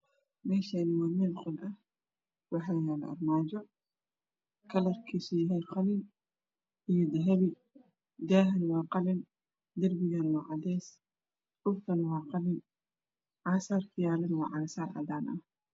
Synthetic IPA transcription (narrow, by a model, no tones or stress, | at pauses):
mɛːʃaːnɪwaːmɪlqʊnʔɐh | wɑħaːjaːlɐ̰ɐ̰rmaːd͡ʒɔ | kʰɐlɐrkʰiːsɔjɐɦɛjqɑlɪn | ʔijɔd̪ɐɦɐβɪ | d̪aːɦɐnwɑːqɑlɪn | d̪ɐrbɪɣanwɑːʕɑd̪ɛːs | ʔʊrt̪ʰɐnwɑːqɑlɪn | ʕaːsaːrkʰɐjaːlɐnwɑ̰ːʕɑːsaːrʕɑ̰d̪aːnʔɐh